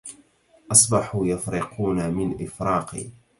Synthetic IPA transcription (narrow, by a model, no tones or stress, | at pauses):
ʔɑsˤbɑħuːjafɾɪqʰuːnamɪnʔɪfɾɑːqḭː